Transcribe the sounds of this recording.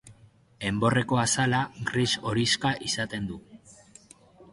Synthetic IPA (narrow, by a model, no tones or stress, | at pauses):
e̞mbo̞re̞ko̞asalaɡriso̞ɾiskaʔisat̪e̞nd̪u